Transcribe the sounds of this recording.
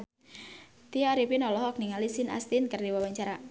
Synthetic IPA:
t̪iɔɾipinɔlɔhɔk̚niŋalisina̰st̪inkərdiwawaɲt͡ʃaɾa

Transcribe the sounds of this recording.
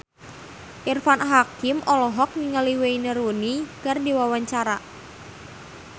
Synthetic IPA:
ʔirfanɦakɪmʔɔlɔɦɔk̚niŋəliweinəɾuniɡardiwawaɲt͡ʃaɾa

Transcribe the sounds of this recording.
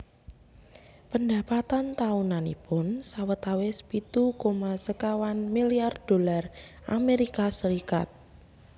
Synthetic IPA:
pənd̪a̤pat̪ant̪aunanḭpʊnsawət̪awesə̥pit̪ukomasəkawanmiliard̥o̤larʔameɾikasəɾikat̪̚

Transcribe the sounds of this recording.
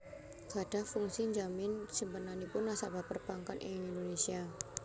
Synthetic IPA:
ɡ̥ad̥ahfuŋsiɲd͡ʒamɪnsimpənanipʊnːasabapərb̥aŋkanʔɪ̰ŋŋindonesia

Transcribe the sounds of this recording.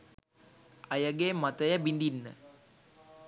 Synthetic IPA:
ajaɡemat̪əjabind̪inːə̰

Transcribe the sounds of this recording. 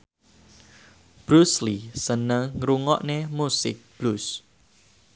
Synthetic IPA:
b̥ɾuslisənəŋŋɾuŋɔʔnemusɪ̰k̚b̥lus

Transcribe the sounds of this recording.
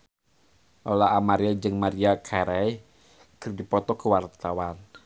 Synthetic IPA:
ʔolaʔamaɾiɛd͡ʒɨŋmaɾiakʰaɾaj | kərdipɔt̪ɔkəwart̪awan

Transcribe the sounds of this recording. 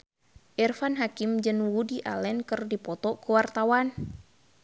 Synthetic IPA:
ʔɛrfanɦakimd͡ʒənwudiʔa̰lɛnkərdipɔt̪ɔkəwart̪awan

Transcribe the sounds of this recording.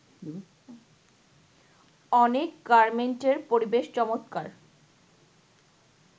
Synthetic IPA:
ɔnekɡaɾmenʈeɾpoɾibeʃt͡ɕɔmot̪kaɾ

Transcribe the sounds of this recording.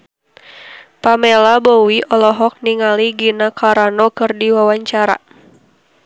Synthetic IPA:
pamelabowiʔɔlɔɦɔk̚niŋaliɡinakʰaɾanɔkɨrdiwawaɲt͡ʃaɾa̰

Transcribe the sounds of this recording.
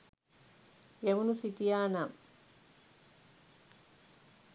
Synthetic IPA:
jemunusit̪ijaːnam

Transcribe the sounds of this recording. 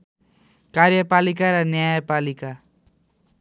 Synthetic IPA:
kaɾjʌpalikaɾʌnjajpalika

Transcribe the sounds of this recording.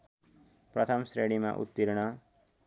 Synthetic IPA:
prʌt̪ʰʌmsɾeɽima̰ʔṵt̪ːiɾɽ̃ʌ

